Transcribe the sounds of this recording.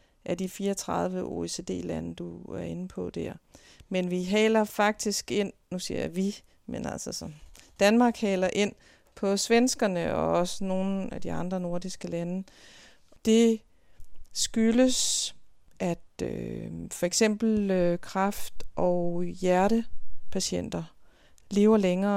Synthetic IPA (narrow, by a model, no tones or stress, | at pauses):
ʔæɐd̥ifiːɐɒt͡sʰʁɑ̈ð̞ˠʋəʔo̰ese̝d̥e̝̰ːlænəd̥uæɐe̝n̩pʰɒ̽d̥æɐ̰ | menʋiɦɛːlɐfɑ̈ɡ̥̚d̥isɡ̥e̝n̰nusiɐ̰ʋi | menæ̰l̰sɒsɒ̽nd̥ænmɑ̈ːɡ̥hɛːlɐʔe̝n̰ | pʰɒ̽sʋensɡ̥ɐnəɒ̽ɒ̽səno̝ːn̩æd̥iɑ̈nd̥ʁɐno̝ɐdisɡ̥əlænə | d̥e̝ | sɡ̥yləs | ʔæd̥øfɒ̽eɡ̥sem̰b̥l̩økʰʁɑfd̥ʔɒjæɐɾəpʰæɕen̰d̥ɐ | le̝ːʊɐleŋɐː